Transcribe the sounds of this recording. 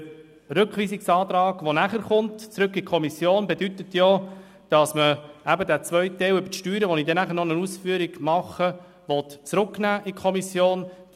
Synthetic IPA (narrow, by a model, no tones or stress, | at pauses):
ɾɵkχʋiːsiksɑːt̪ɾɑːɡ̥ʋonæχəɾχʊntt͡sɾʉkːikʰɔmisjoːnbedyt̪ətjoː | d̥ɑsməæbədæt͡sʋœʏtɛwʏbəʃtyːɾəʋɔnid̥ɛnæχəɾnɔnəusfyːəɾiɡ̥mɑχə | ʋɔtt͡sɾʊknæːʔikʰχɔmisjoːn